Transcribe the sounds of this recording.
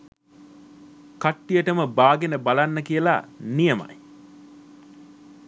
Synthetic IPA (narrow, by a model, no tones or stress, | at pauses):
kaʈːijəʈəməbaːɡenəbalanːəkijəla̰nijəma̰j